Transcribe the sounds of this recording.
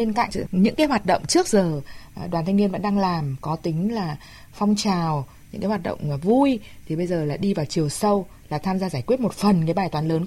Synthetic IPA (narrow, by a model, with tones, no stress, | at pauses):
e˧nka̰ː˧˨kɲɨ̰˧˥ŋkaː˨˦jwaː˨˩t̚ɗə̰˧˨wŋ͡mt͡ɕɨ˦˥ək̚zəː˨˩˨ɗwaː˨˩nt̪ʰjŋni˧nvə̰˧˥nɗaː˧ŋlaː˨˩mkɔ˨˦t̪ï˨˦ŋ̟laː˨˩ | fɔ˧wŋ͡mt͡ɕaː˨˩w | ɲɨ̰˧˥ŋkaː˨˦hwaː˨˩ɗə̰˧˨wŋ͡mvu˧jt̪ʰi˨˩ɓə˧jzəː˨˩laː˨˩ɗi˧vaː˨˩wt͡ɕi˨˩ə˩wsə˧w | laː˨˩t̪ʰaː˧mzaː˧zaː˧˩jkwi˦˥t̚mo˨˩t̚fə˨˩nkaː˨˦jɓaː˨˩jt̪waː˨˦nləː˨˦n